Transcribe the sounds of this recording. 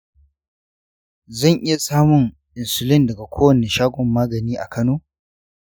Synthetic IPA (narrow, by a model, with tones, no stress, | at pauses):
zɐ˦˨ŋʔɪ˦ja˨saː˦mʊ˨ŋ | ʔɪ˨nsʊ˨lɪ˦ndɐ˨ɡa˨kʷʰoː˦wɐ˨neː˨ʃaː˦ɡʷɔ˨mːaː˦ɡɐ˨niː˦ʔa̰˨kɐ˦noː˦